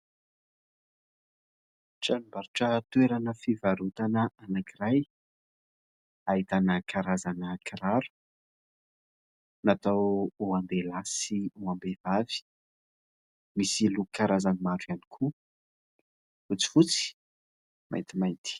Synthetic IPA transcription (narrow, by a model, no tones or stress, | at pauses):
ʈ͡ʂalumbaɾiʈ͡ʂət̪uweɾanəfivaɾut̪anəanakiɾaj | ait̪anəkaɾazanəkʰaɾaɾu̥ | nat̪awuand̪elasiuambevavi̥ | misilukaɾazanimaɾujanikʰu | fut͡si̥fut͡si̥ | mʔa̰jnt̪imajnt̪i̥